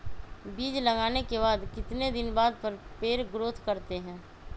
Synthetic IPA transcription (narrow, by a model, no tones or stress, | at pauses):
biːd͡ʒlɐɡaːnekebaːd̪kɪt̪ned̪ɪnbaːd̪̚pəɾpeːɾɡɾoːt̪ʰkəɾt̪eɦɛ̃ː